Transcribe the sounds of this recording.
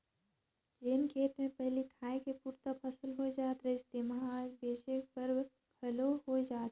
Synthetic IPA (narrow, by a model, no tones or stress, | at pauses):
d͡ʒeːnkʰeːt̪mẽpɐɦlikʰaːẽkepuːɾt̪apʰəsəlɦod͡ʒaːt̪ɾəɪst̪eːmãbeːt͡ʃepəɾ | kʰɐloɦod͡ʒaːt̪